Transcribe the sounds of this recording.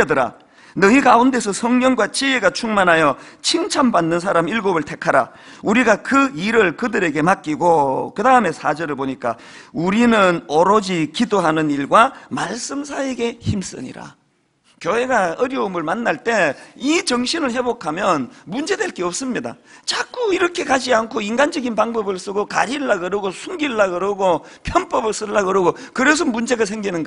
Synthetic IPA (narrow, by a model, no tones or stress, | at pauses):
edɯɾa̰ | nɯiɡaunde̞s̬ʰʌsʰʌŋɲʌŋɡwat͡ɕieɡat͡ɕʰuŋmanɦajʌt͡ɕʰiŋt͡ɕʰambanːɯns̬ʰaɾamiɭɡobɯɭtʰe̞kʰaɾa̰uɾiɡakɯiɾɯɭkɯdɯɾe̞ɡe̞mak͈iɡokɯdaɯme̞sʰad͡ʑʌɾɯɭboɲik͈a | uɾinɯnoɾod͡ʑikidoɦanɯniɭɡwamaɭs͈ɯmsʰaeɡe̞çims͈ɯ̰ɲḭɾa̰ | kjoɦe̞ɡaʌɾjʌɯmɯɭmanːaɭt͈e̞it͡ɕʌŋɕʰinɯɭhe̞bokʰamjʌnmund͡ʑe̞dwe̞ɭk͈eʌp̚s͈ɯmɲida̰t͡ɕak͈ʰuiɾʌkʰe̞kad͡ʑiankʰoiŋɡand͡ʑʌɡinpaŋbʌbɯɭs͈ɯɡoka̰ɾiɭːaɡɯɾɯɡosʰuŋɡiɭːaɡɯɾɯɡopʰjʌnp͈ʌbɯɭs͈ɯɭːaɡɯɾɯɡokɯɾes̬ʰʌmund͡ʑe̞ɡasʰeŋɡinɯnɡa